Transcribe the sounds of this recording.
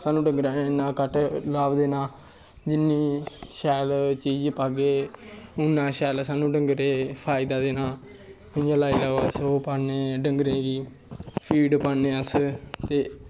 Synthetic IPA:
saːnũːɖəŋɡɾaːnẽːnːãːkəʈlaːʋd̪eːnãː | d͡ʒɪnːiːʃɛːlt͡ʃiːd͡ʒpaːɡeːʊnːãːʃɛːlsaːnũːɖəŋɡɾeːpʰaːɪd̪aːd̪eːnãː | mɪjãːlaːilaːʋəsoːpaːnẽːɖəŋɡɾeːɡiː | pʰiːɖpaːneːəst̪eː

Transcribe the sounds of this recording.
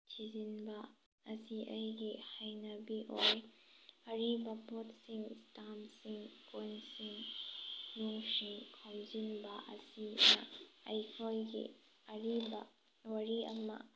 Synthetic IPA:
tʰizinbɐ | ɐsiʔɐjɡihajnɐbiʔojɐɾibɐbotsiŋstamsiŋkojnsiŋ | nuŋsiŋkʰomzinbɐʔɐ̰sinɐ̰ɐjkʰojɡḭ | ɐɾibɐ̰ | wɐɾiɐ̰mɐ̰

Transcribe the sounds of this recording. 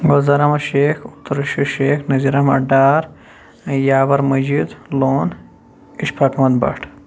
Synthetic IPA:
ɡozɐɾɐmɐʃeːxut̪ɾʃiʃeːxnɐziɾɐmɐ̰ɖaːɾ | jaːʋɐɾmɐd͡ʒid̪loːn | iʃpʰɐkʰmɐt̪bɐ̰ʈʰ

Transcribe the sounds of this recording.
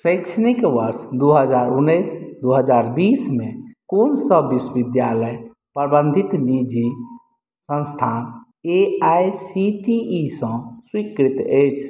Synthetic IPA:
sə̃ɪksʰənikʋəɾsd̪uɦəd͡ʒaɾunːəjsd̪uɦəd͡ʒaɾbismekonsəbːiswʋid̪jaləj | pɾbə̃nd̪ʱit̪nid͡ʒi | sə̃nst̪ʰan | eajsiʈiːsə̃swikɾit̪ət͡ʃʰ

